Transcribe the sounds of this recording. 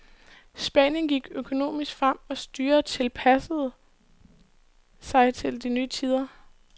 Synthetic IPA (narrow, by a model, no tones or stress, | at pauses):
sb̥ɛ̰njənɡ̥iɡ̥økʰo̝no̝̰ːmisɡ̥fʁam̰ɒ̽sd̥yːɐt͡sʰe̝lpʰæsəð̩ˠ | sɑ̈ɪt͡sʰe̝ld̥inyːt͡sʰiːð̞ˠɐ